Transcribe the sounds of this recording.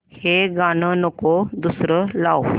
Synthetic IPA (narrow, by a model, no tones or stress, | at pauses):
heɡanənokod̪usɾəlaw